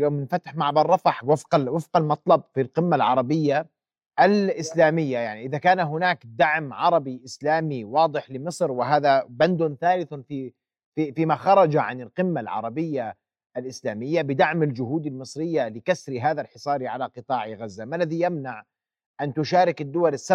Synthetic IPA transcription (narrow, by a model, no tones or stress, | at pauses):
joːmːɪnfat̪ħmaʕbɑrˤːɑfaħwafqawɪfqalmɑt̪ˤlɑb̚filqɪmːalʕɑ̰ɾˤɑbɪjːa | ʔalʔɪslaːmɪjːajaʕniʔɪðakaːnaɦʊnaːkd̪aʕmʕɑɾˤɑbiʔɪslaːmiwɑːd̪ˤɨħlɪmɨsˤɾwɪɦaːðaband̪ʊnθaːlɪθfi | ifiːmaxɑɾˤɑd͡ʒaʕanɪlqɪmːalʕɑ̰ɾˤɑbɪjːa | ʔalʔɪslaːmɪjːabɪd̪aʕmald͡ʒʊɦuːd̪almɨsˤɾɪjːalɪkasɾiɦaːðalħɪsˤɑːɾiʕalaqɨt̪ˤɑːʕiɣazːamalːaðijamnaʕ | ʔant̪ʊʃaːɾɪkɪd̪ːʊwalasːa